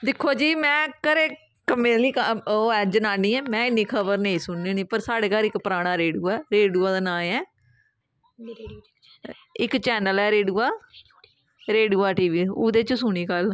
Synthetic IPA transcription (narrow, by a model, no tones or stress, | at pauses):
d̪ɪkʰːoːd͡ʒiːmɛ̃ːkəɾeː | kəmẽːliːkəoːɛːd͡ʒənaːnĩːɛːmɛ̃ːɪnːĩːkʰəbəɾnəĩːsʊɳːiːniːpəɾsaːɽeːkalɪkpəɾaːɽ̃aːɾeːɖuːɛːɾeːɖuːaːd̪aːnãːɛː | ɪkt͡ʃɛːnəlɛːɾeːɖuːaː | ɾeːɖuːaːʈiːʋiːoːd̪eːt͡ʃsʊɳ̃iːkəl